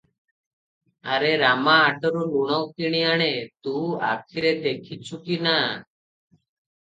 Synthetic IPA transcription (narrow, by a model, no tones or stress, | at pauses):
aɾeɾamaːʈɔɾuluɽ̃ɔwkiɽ̃iaɽ̃et̪ua̰kʰiɾed̪ekʰit͡ʃʰukina